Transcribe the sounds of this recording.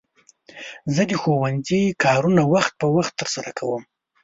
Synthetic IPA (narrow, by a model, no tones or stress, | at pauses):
zəd̪əxowanzikʰɑɾunawaxt̪̚pəwaxt̪ːəɾsaɾakʰawəm